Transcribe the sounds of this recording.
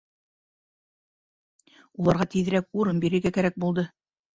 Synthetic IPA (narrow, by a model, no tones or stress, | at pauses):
ulˠɑɾʁɑt̪iðɘ̆ɾækuɾɤnbiɾɘ̆ɾɡækæɾæk̚bulˠd̪ɤ